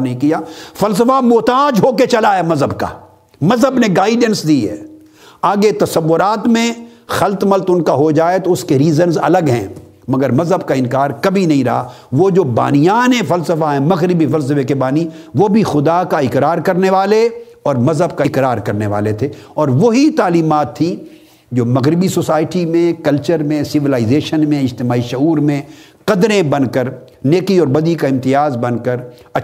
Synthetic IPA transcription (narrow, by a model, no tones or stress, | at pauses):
nɐɦĩkijaːfɐls̬əfamoːt̪aːd͡ʒɦoːket͡ʃɐlaemɐzɦəbka̰ː | mɐzɦəbneɡaːɪɖə̃nsd̪iːɦɛ̰ː | aːɡet̪ɐsɐʋːʊɾaːt̪mẽ | xɐlt̪mɐlt̪ʊnkaɦod͡ʒaːet̪oʊskeɾiːzənzɐ̰ləɡɦɛ̰̃ | mɐɡəɾmɐzɦəbkaɪ̃nkaːɾkɐbʱinɐɦĩɾɐ̰ɦa̰ | ʋod͡ʒoːba̰ːnijaːnẽfɐlsəfaɦɛ̃mɐɣɾɪbifɐls̬əfekebaːniʋoːbʱixʊd̪akaɪkɾaːɾkɐɾneʋaːle | ɔːɾmɐzɦəbkaɪkɾaːɾkɐɾneʋa̰ːlet̪ʰeːɔːɾʋoɦit̪aːliːmaːt̪ʰːĩ | d͡ʒoːmɐɣɾɪbisosaːɪʈimẽkɐlt͡ʃəɾmẽsɪʋɪlaːɪzeːʃənmẽɪd͡ʒt̪ɪmaːiʃʊɦuːɾmẽ | qɐd̪ɾẽbɐ̃nkəɾ | neːkiɔːɾbɐd̪ikaɪ̃mt̪ɪjaːzbɐ̃nkəɾ | ɐ